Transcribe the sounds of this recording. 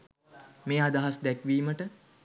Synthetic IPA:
meːad̪aɦasd̪ɛkʋiːməʈə

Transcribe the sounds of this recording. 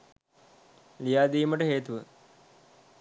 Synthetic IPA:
lijaːd̪iːməʈəɦeːt̪uʋə

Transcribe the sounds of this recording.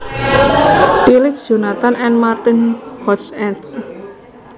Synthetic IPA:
pilɪp̚d̥ʒ̥ṳnat̪anɛnmart̪ɪnhɔsɛts

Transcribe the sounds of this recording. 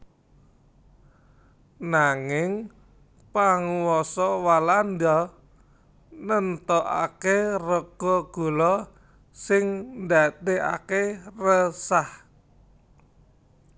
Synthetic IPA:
naŋɪŋ | paŋwɔsɔwalandɔ | nənt̪ɔʔa̰kerəɡ̥ɔɡ̥o̤lɔ | sɪŋnd̪ad̪eʔa̰kerəsah

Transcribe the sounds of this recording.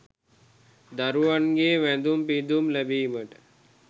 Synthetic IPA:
d̪aɾuʋanɡeːʋæd̪umpid̪umlæbiːməʈə̥

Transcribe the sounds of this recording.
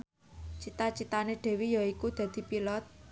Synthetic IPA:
t͡ʃit̪at͡ʃit̪aneɖ̥e̤wijaikud̪̥ä̤d̪̥i̤pilɔt̪̚

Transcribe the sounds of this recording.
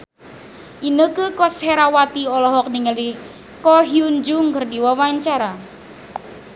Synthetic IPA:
ʔinəkəkɔsheɾawat̪iɔlɔɦɔk̚niŋəli | kɔɦiuɲd͡ʒʊŋkərdiwawaɲt͡ʃaɾa

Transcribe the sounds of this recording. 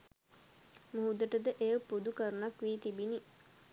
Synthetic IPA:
muɦud̪əʈəd̪əʔejəpud̪ukəɾənakʋiːt̪ibini

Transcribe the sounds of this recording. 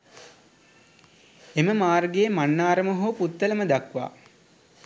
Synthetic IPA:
eməmaːrɡejːmanːaːɾəmoɦuːput̪ːələməd̪akʋa̰ː

